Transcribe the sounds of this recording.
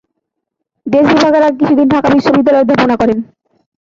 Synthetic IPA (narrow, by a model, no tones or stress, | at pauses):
d̪eʃbibʱaɡeɾak̬it͡ɕʰud̪inɖʱakabiʃːobid̪ːalɔeɾd̪ʱaponakɔɾen